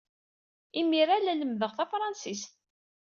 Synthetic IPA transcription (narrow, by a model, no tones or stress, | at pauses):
imiɾalæləmðəʁθæfɾˤɑnsist̪